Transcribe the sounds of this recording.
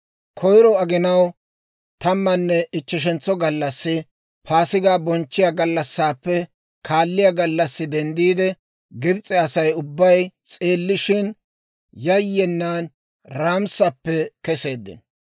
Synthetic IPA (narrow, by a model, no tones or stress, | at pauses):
kʰɔjɾɔɐɡɪnɐw | t̪ɐmːɐnːɛɪt͡ʃːɛʃ̬ɛnt͡sːɔɡɐlːɐsːɪ | pʰaːsɪɡaːbɔnt͡ʃːɪjaɡɐlːɐsːaːpːɛ | kʰaːlːɪjaɡɐlːɐsːɪd̪ɛnd̪iːd̪ɛ | ɡɪbt͡sʼːɛɐsɐjʊbːɐjt͡sʼe̞ːlːɪʃɪn | jɐjːɛnːaːn | ɾaːmsɐpːɛkɛse̞ːd̪ːɪ̰n